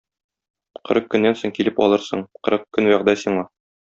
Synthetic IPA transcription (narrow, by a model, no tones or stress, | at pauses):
qɤ̆ɾɤq̚kːɵ̆nːænsoɴkilɘpɒ̰lˠɤɾsɤ̰ɴqɤ̆ɾɤq̚kɵnwæʁd̪æsiɴɑ